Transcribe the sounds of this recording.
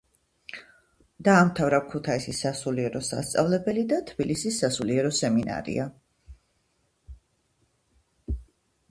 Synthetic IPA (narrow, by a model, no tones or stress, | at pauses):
d̪̥aːmt̪ʰavɾakʰut̪ʰaisisasuliɛɾɔsa̰st̪sʼa̰vlɛbɛlid̪at̪ʰb̥ilisisːasuliɛɾɔsɛmina̰ɾḭa